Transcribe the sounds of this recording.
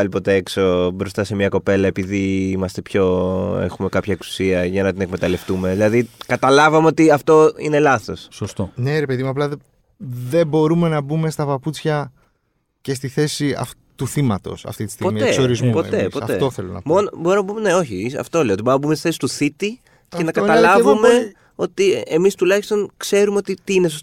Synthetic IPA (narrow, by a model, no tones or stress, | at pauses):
ɐlipo̞t̪eeksobɾo̞st̪ɐse̞mɲɐko̞pe̞lɐe̞piðiimɐst̪e̞pço̞ḛxume̞kɐpçɐe̞ksu̥siɐʝɐnɐt̪ine̞kme̞t̪ɐle̞ft̪ume̞ðilɐðikɐt̪ɐlɐvɐmeo̞t̪iɐft̪o̞ine̞lɐθo̞ssost̪one̞ɾepeðimuɐplɐðe | ðe̞bo̞ɾume̞nɐbume̞st̪ɐpɐput͡sçɐ | ce̞s̬t̪iθe̞siɐ̰f | t̪uθimɐt̪o̞̰sɐ̰ft̪it̪i̥st̪ipomit̪esoɾizmupot̪epoɐetoθelo̰nɐ̰monbo̞ɾumnɐbumene̞o̞çiiɐ̰ft̪oleot̪iboɾumnɐbumst̪iθesi̥t̪uθit̪i | ce̞nɐkɐɐlɐvume̞ | o̞t̪iemist̪ulɐçist̪o̞ŋkse̞ɾumeo̞t̪it̪iines̬oso